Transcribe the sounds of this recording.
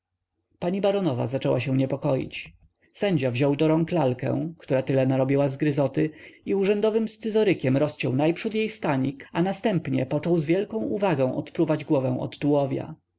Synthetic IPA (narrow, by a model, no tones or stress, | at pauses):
paɲibaɾɔnɔva̰zat͡ʂɛwaɕɛ̃w̃ɲɛpɔkɔjḭt͡ɕ | sɛɲd͡ʑavʑɔwd̪ɔɾɔŋklalkɛ̰̃kt̪uɾat̪ɘlɛnaɾɔbʲjiwazɡɾɘzɔt̪ɘiuʐɛnd̪ɔvɘmst̪sɘzɔɾɘkʲɛmɾɔst͡ɕɛwnajpʂud̪jejst̪aɲikanast̪ɛmpɲɛ̰pɔt͡ʂɔwzvʲjɛlkɔ̃w̃ʔuvaɡɔ̃w̃ɔ̰t̪pɾuvad͡ʑɡwɔvɛw̃ʔɔ̰d̪ːuwɔvʲja̰